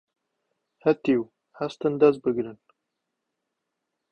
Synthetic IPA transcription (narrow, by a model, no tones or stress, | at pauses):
hat̪iw | hast̪ənd̪azbəɡɾən